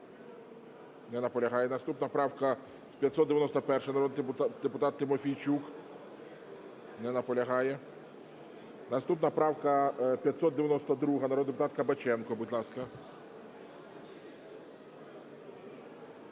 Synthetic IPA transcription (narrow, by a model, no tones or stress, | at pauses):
nɛnɐpɔlʲɐɦɑjɛnɐst̪upnɐpɾɑwkɐ | spʲjɐtʲsɔd̪d̪eʋʲjɛnɔst̪ɔpɛrʃɛnɐɾɔd̪d̪epʊt̪ɑt̪ːɪmɔfʲijt͡ʃuk | nɛnɐpɔlʲɐɦɑjɛ | nɐst̪upnɐpɾɑwkɐpʲjɐtʲsɔd̪d̪eʋʲjɐnɔst̪ɐd̪ɾuɦɐnɐɾɔd̪epʊt̪at̪kɐbɐt͡ʃɛnkɔbudʲlˠɑskɐ